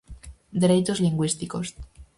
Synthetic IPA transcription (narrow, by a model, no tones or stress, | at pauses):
d̪eɾejt͡ʃozliŋɡwist̪iko̞s